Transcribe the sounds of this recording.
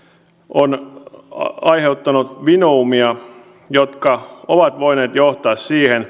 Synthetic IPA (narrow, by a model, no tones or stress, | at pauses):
ʔon | ɑjheut̪ːɑnut̪ʋinoumiɑ | jot̪kɑoʋɑt̪ʋoineːt̪joht̪ɑːssiːhen